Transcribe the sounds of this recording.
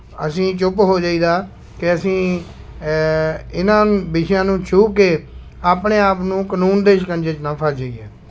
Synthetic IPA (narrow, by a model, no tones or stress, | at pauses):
əsĩːt͡ʃʊpɦoːd͡ʒaːiːd̪aː | kɪəsĩː | ɪnãːbɪʃjãːnũːt͡ʃʰuːkeː | aːpneːaːpnũːkənuːnd̪eːʃkənd͡ʒet͡ʃnãːpʰəɾd͡ʒaːiːɛː